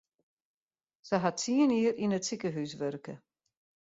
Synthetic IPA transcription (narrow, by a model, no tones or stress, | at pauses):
səɦatːiəniərinətsikəɦysʋørkə